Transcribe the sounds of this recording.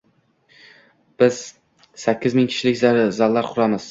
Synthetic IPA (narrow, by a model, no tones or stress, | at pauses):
b̥ɪz̥ | sakʲːɪzmɪŋkʲʰɪ̥ʃɪlɪkʲzaɾɪzallːaɾqʰʊɾamɪz̥